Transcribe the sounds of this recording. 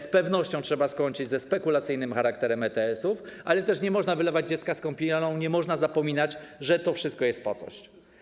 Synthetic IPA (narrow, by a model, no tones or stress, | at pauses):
spɛvnɔɕt͡ɕɔ̃w̃tʂɛbaskɔɲt͡ʂɘd͡ʑzɛspɛkulat̪sɘjn̪ɘmxaɾakt̪ɛɾɛmɛt̪ɛɛsufʔa̰lɛt̪ɛʂɲɛmɔʐnavɘlɛvad͡ʑd͡ʑɛt̪skaskɔ̃mpʲinɔ̃w̃ɲɛmɔʐnazapɔmʲinad͡ʑʐɛt̪ɔfʂɘst̪̚kɔjɛst̪̚pɔt̪sɔ̰ɕ